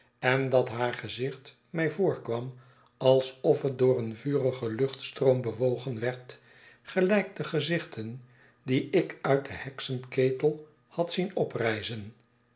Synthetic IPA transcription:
ɛndɑtɦaːɹχəzɪχt | mɛjvʊːɹkʋɑm | ɑlˠsɔfət̚dʊːrənvyːrəχəlɵχtstroʊmbəʋowχənʋɛɹt | χəlɛjk̚dəχəzɪχtʰən | diɪkœɥt̚dəhɛksəntkeːtəlˠ | hɑtsinɔprɛjzən

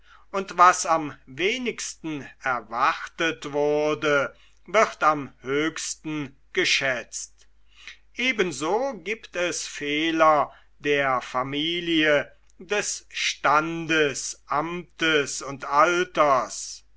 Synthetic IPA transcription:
ʔʊntvasamveːnɪkstn̩ɛɐvaʁtətv̥ʊɐdə | vɪʁtamhøːçstn̩ | ɡ̥əʃɛt͡st | ʔeːbənzoːɡiːptɛsfeːlɐ | deːɐfamiːliə | dɛsʃtandəsʔamtəsʊntʔaltɐs

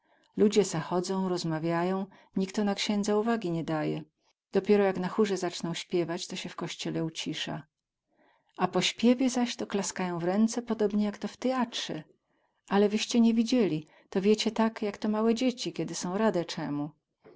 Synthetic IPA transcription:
lud͡ʑɛzaxɔd̪zɔ̃w̃ɾɔzmavʲjajɔ̃w̃ | ɲikt̪ɔnakɕɛnd̪zauvaɡʲiɲɛd̪ajɛ̰ | d̪̥ɔpʲjɛɾɔjaknaxuʐɛzat͡ʂnɔ̃w̃ɕpʲjɛvat͡ɕt̪ɔɕɛfkɔɕt͡ɕɛlɛut͡ɕiʂa̰ | ʔapɔɕpʲjɛvʲjɛzaɕt̪ɔklaskajɔ̃w̃vɾɛnt̪sɛpɔd̪ɔbɲɛjakt̪ɔft̪ɛatʂɛ | ʔalɛvɘɕt͡ɕɛɲɛvʲid͡ʑelʲi | t̪ɔvʲjɛt͡ɕɛt̪akjakt̪ɔmawɛd͡ʑet͡ɕikʲɛd̪ɘsɔ̃w̃ɾad̪ɛt͡ʂɛmu

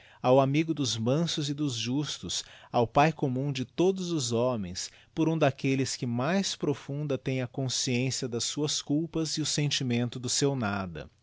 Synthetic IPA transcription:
awamiɡʊd̪ʊzmɐ̃sʊzɪd̪ʊzʒust̪ʊsawpajkomũd͡ʒɪt̪od̪ʊzʊzɔmẽj̃s | pʊɾũd̪akelɪskɪmajspɾofũnd̪ɐt̪ẽj̃ɐkõsiẽsiɐd̪ɐsːuɐskuwpɐziʊsẽnt͡ʃimẽnt̪ʊd̪ʊsewnad̪ɐ̰

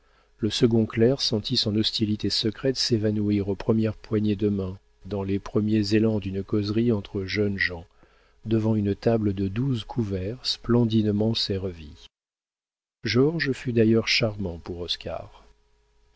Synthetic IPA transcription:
ləsəɡɔ̃klɛʁsɑ̃t̪ʰisɔ̃nɔst̪ilit̪esəkχɛt̪sevanuiʁopχəmjɛʁpwaɲed̪əmɛ̃ | d̪ɑ̃lepχəmjezelɑ̃d̪ynkɔzʁiɑ̃t̪χəʒœnʒɑ̃ | d̪əvɑ̃ynt̪abləd̪əd̪uzkʰuvɛʁsplɑ̃d̪inmɑ̃seʁəvi | ʒɔʁʒfyd̪ajœʁʃaʁmɑ̃puʁɔska̰ʁ

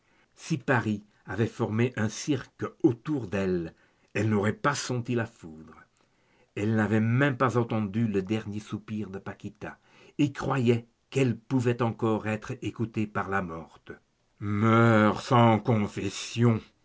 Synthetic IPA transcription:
sipaʁi | avɛfɔʁmeʔɛ̃siʁkot̪uʁd̪ɛl | ɛlnɔʁɛpasɑ̃t̪ilafud̪ʁə | ɛlnavɛmɛ̃mpazɑ̃t̪ɑ̃d̪yləd̪ɛʁnjesupiʁd̪əpakit̪a | ekχwajɛ | kɛlpuvɛt̪ɑ̃kɔʁɛt̪χekut̪epaʁlamɔʁt̪ə | mœʁsɑ̃kɔ̃fɛsjɔ̃

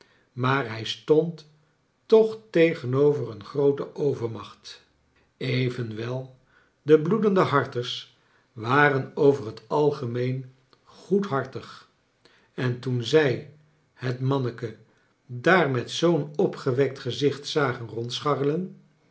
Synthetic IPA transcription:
maːɹɦɛjstɔntː | ɔχtejχənowvərənχrowtəʔowvəɹmɑχt | ejvənʋɛlˠ | dəbludəndəɦɑɹtəɹs | ʋaːrənowvərɦətɑlˠχəmejn | χutɦɑɹtəχ | ɛntunzɛj | hətmɑnəkə | daːrmɛtsownɔpχəʋɛk̚tχəzɪχtsaːχənrɔntsχɑrələn

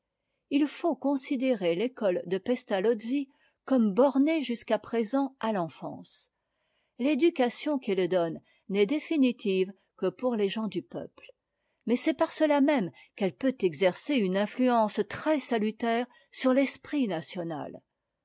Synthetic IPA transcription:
ilfokɔ̃sid̪eʁelekɔld̪əpɛst̪alɔd̪zi | kɔmbɔʁneʒyskapχezɑ̃ʔalɑ̃fɑ̰̃ːs | led̪ykasjɔ̃kɛld̪ɔnː | ɛd̪efinit̪iv | kəpuʁleʒɑ̃d̪ypœ̰pl | mɛsɛpaʁsəlamɛm | kɛlpøt̪ɛɡzɛʁseynɛ̃flyɑ̃st̪χɛsalyt̪ɛːʁ | syʁlɛspχinasjɔna̰l

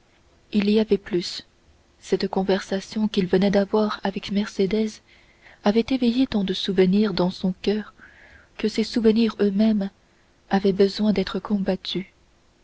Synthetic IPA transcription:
iliavɛplysː | ɛt̪kɔ̃vɛʁsasjɔ̃kilvənɛd̪avwaːʁavɛkmɛʁsed̪ɛz | avɛt̪evejet̪ɑ̃d̪əsuvəniːʁd̪ɑ̃sɔ̃kʲœːʁ | kəsesuvəniʁømɛm | avɛbəzwɛ̃d̪ɛt̪χəkʰɔ̃bat̪ʰy

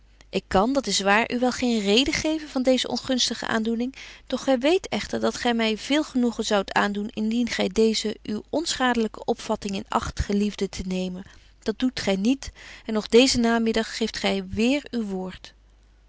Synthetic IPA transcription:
ʔɪkːɑndɑtɪsʋaːɹʔyʋɛlˠχejnrejdəχejvənvɑndejzəʔɔ̰nχɵnstəχə̰ʔa̰ːndunɪŋd̥ɔχːɛjʋejtɛχtəɹdɑtχɛjmɛjv̥ɪːlˠχənuχənzɑwta̰ːndunɪndinχɛjdejzəʔywɔnsχaːdələkəʔɔpfɑtɪŋɪnɑ̰χtəχəlivdətʰənejmən | d̥ɑd̚d̥utχɛjnitɛnɔχdejzənaːmɪdɑχːejftχɛjʋɪːɹywʋʊːɹt

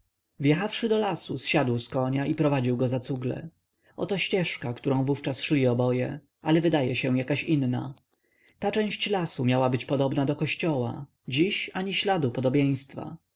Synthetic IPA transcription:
vjɛxafʂɘd̪ɔlasusɕad̪wskɔɲaʔipɾɔvad͡ʑiwɡɔzat̪suɡlɛ̰ | ʔɔ̰t̪ɔɕt͡ɕɛʂkakt̪uɾɔ̃w̃vuft͡ʂasʂlʲiɔbɔjɛ | ʔalɛvɘd̪ajɛɕɛ̃jakaɕinːa̰ | t̪at͡ʂɛ̃w̃ɕt͡ɕlasumʲjawabɘt͡ɕpɔd̪ɔbnad̪ɔkɔɕt͡ɕɔwa̰ | d͡ʑiɕaɲiɕlad̪upɔd̪ɔbʲjẽj̃st̪fa̰

